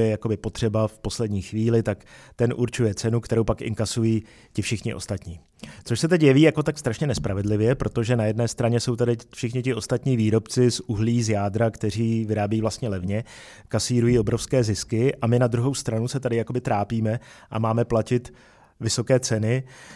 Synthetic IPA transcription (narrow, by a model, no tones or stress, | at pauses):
jɛjako̞bɪpo̞t̪r̥ɛbafpo̞slɛdɲiːxviːlɪt̪akt̪ɛnʔuɾt͡ʃujɛt͡sɛnukt̪ɛɾowpakʔɪ̰ŋkasujiː | cɪfʃɪxɲɪʔo̞̰st̪at̪ɲiː | t͡soʃsɛt̪ɛcjɛviːjako̞t̪akst̪ɾaʃɲɛnɛspɾavɛdlɪvjɛpɾo̞t̪o̞ʒɛnajɛdnɛːst̪ɾaɲɛso̞wt̪adɪfʃɪxɲɪcɪʔo̞st̪at̪ɲiːviːɾo̞pt͡sɪsuɦliːzjaːd̪ɾakt̪ɛr̝iːvɪɾaːbjiːvlast̪ɲɛlɛvɲɛ | kasiːɾujiːo̞bɾo̞fskɛːzɪskɪʔamɪnad̪ɾuɦo̞wst̪ɾanusɛt̪adɪjakobɪt̪ɾaːpiːmɛʔa̰maːmɛplacɪt̪ | vɪso̞kɛːt͡sɛnɪ